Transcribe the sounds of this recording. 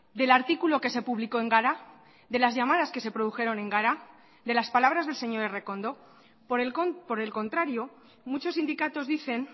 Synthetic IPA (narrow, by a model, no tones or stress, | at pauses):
d̪e̞laɾt̪ikulo̞ke̞se̞puβliko̞e̞ŋɡaɾa | d̪e̞lazʝamaðaske̞se̞pɾoðuxe̞ɾo̞nẽ̞ŋɡaɾa | ðe̞laspalaβ̞ɾazðe̞lse̞ɲo̞ɾere̞ko̞nd̪o̞ | ppo̞ɾe̞lko̞nt̪ɾaɾjo̞ | mut͡ʃo̞sind̪ikat̪o̞zðiθe̞n